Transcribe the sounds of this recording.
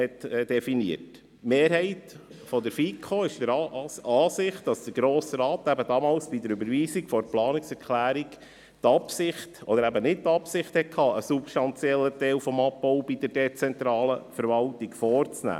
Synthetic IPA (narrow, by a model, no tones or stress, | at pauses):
hɛtːd̥ɛfiniət | meːɾɦɛɪt | fɔd̪əɾfikʰχoɪʃdəɾɑːsɪχt̚d̥ɑsd̥əɾɡɾoːsəɾɑːt̪æbəd̥ɑmɑːlsb̥idəɾʉbəɾviːsikfɔɾplɑːnɪksɛɾkʰlæːɾik | tɑpsɪχtɔd̪əɾæbənɪt̚tɑpsɪχthɛt̚kʰɑːʔəsupʃtɑnt͡siɛlːətɛlfɔmɑpːɔʊbid̥əɾd̥ɛt͡sɛnt̪ɾɑːləfəɾvɑltiɡfɔːrt͡snæ̰ː